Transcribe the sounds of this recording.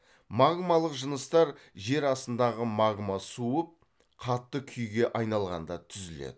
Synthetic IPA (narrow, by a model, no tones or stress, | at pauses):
maɡmɑlˠəqʒənəst̪ɑɾʒe̞ɾɑsənd̪ɑʁəmɑɡmɑsuəp̚ | qʰɑt̪ːəkʲʰʏjɡʲe̞ʔɑjnɑlˠʁɑ̰nd̪ɑt̪ʰʏzɪlḛd̪ɪ